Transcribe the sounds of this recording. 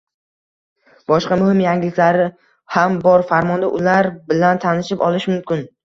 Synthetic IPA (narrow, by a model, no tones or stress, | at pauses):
b̥ɒʃqɑmʊhɪmjaŋɡʲɪlɪkʲlaɾɪ | hambɒɾfaɾmɒnd̪aʔʊlaɾbɪlant̪ʰanɪʃɪpɒlˠɪʃmʊmkʲɪn